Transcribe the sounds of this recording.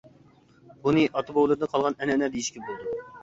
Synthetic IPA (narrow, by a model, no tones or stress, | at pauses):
bunɨʔɑt̪ʰɨbowlˠɨɾd̪ɨqʰɑlˠʁɑnɛnɛnɛd̪ejiʃkʲʰɛbolˠd̪u